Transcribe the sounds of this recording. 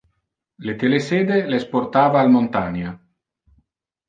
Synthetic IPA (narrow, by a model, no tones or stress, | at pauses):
let̪eleseːd̪eleesport̪aːvaːlmont̪aɲa